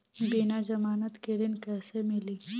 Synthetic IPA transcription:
binad͡ʒɐmaːnət̪ked̪ɪnkɛːsemɪliː

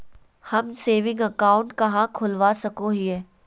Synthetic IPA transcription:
hɐmseːʋɪ̃ŋɡəkaːʊ̃ɳʈkɐɦãkʰʊlʋasɐkoɦiɦɛː

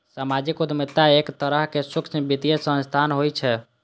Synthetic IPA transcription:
samad͡ʒikud̪mit̪ːaekt̪əɾəɦkesukt͡ʃbit̪ijesə̃nst̪ʰanɦojt͡ʃʰɛ

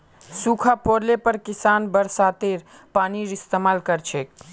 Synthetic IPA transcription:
sukʰapoɾlepəɾkisanbəɾsat̪eɾ | paniɾist̪emalkəɾt͡ʃʰek̚

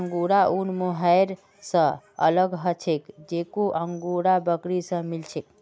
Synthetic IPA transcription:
əŋɡuɾaʔunmoɦəjɾ | sə̃ | ə̰ləɡɦət͡ʃʰekd͡ʒekoʔəŋɡuɾabəkɾisə̃milt͡ʃʰek̚

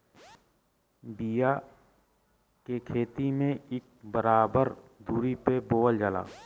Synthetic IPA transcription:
bija | kekʰeːt̪imẽɪk̚bəɾaːbəɾd̪uːɾipeboːəld͡ʒaːla̰ː

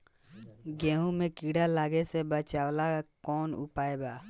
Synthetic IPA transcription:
ɡẽːɦũmẽkiːɽalaːɡesebət͡ʃaːwlakɔːnʊ̰paːebaː

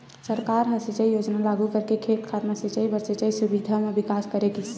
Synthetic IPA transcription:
səɾkaɾɦə̃set͡ʃəjjod͡ʒnalaɡukəɾkekʰeʈkʰaɾnaset͡ʃəjbəɾset͡ʃəjsubid̪ʱamebikaskəɾekis

